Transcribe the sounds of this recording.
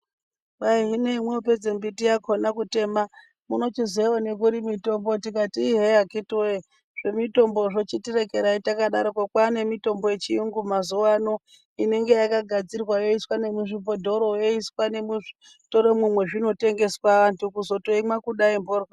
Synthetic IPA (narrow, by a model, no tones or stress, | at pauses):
ɓaiɦine̞imweope̞d͡zembitijakʰonakute̞ma | muno̞t͡ʃizeone̞kuɾimito̞mbo̞tik̬atiːɦejakitwe | ʐ̥e̞mito̞mboʐo̞t͡ʃitirekeɾaitakaɗaɾokwakwane̞mito̞mbo̞je̞t͡ʃiuŋɡumazuwano̞ | ine̞ŋɡejakaɡʱad͡zirwajo̞iswane̞muʐipodʱo̞ɾojoiswane̞muʐi̥ | toɾemwumwe̞ʐino̞te̞ŋɡe̞swaʋantʰukuzo̞toimwakuɗaimborwa